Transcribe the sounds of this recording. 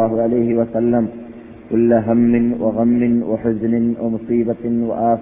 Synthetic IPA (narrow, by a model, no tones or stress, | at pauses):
aːɦʊʕalajɦɪwasalːam | kʊlːaɦamːɪnwʔa̰ɣamːɪnwa̰ħʊznɪnwa̰mʊsˤiːbawa̰ʔaːf